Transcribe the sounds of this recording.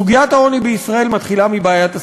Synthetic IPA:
uɡiat̪hao̞nibeisʁae̞lmat̪χilamibaːjat̪a

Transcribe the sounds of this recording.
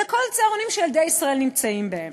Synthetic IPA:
ekolt͡seaʁonimʃeːld̪ejisʁaelnimt͡saimbee

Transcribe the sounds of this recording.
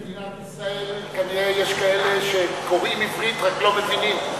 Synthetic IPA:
inat̪isʁaelkaniʁejeʃkaeleʃekoʁimifʁit̪ʁaklomezinim

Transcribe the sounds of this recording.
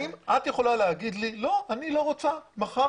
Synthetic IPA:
imʔat̪jeχo̞laleaɡid̪lilo̞ʔanilo̞ʁot͡samaχa

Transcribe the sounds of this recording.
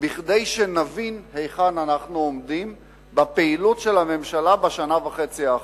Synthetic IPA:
biχd̪ejʃenavinhejχananaχnuomd̪im | bapeilutʃe̞lame̞mʃalabeʃanavaχet͡sia

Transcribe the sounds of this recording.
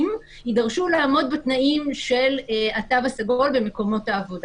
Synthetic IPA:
m | idaʁʃulaːmo̞dbet̪naimʃe̞latavasaɡo̞lbe̞me̞ko̞mo̞taːvo̞d

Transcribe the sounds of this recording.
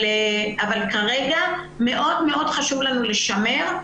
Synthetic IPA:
avalkaʁeɡa | me̞ʔo̞dme̞ʔo̞dχaʃuvlanuleʃame̞ʁ

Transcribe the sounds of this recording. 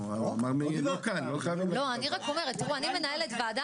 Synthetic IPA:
aua̰maʁmiokanloχajavilo̞aniʁako̞me̞ʁet̪ːiʁuanime̞naelet̪beada

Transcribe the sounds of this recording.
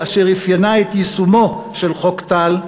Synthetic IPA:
aʃeʁifjanaet̪jisumoʃe̞lχokt̪al

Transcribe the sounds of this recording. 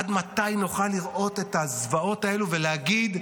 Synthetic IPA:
ad̪mat̪ajnuχaliʁʔo̞t̪e̞t̪azvao̞t̪ae̞luveleaɡid̪

